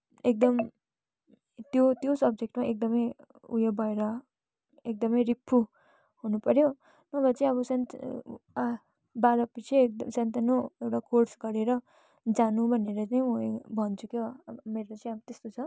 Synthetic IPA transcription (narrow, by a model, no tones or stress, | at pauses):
ek̚d̪ʌm | t̪jot̪josʌb̚d͡zek̚ʈmaʔek̚d̪ʌmʌj | ṵjʌbʌeɾʌ | ek̚d̪ʌmʌjɾipʰːu | hunupʌɾjo | nʌbʱʌt͡saĩʌbʌsʌnt̪ | balʌpit͡sʰik̚d̪sʌnt̪anoewʈakorsɡʌɾeɾʌ | d͡zanũbʱʌneɾʌt͡saĩũbʱʌnt͡sʰukomeɾʌt͡saĩabʌt̪est̪ot͡sʰʌ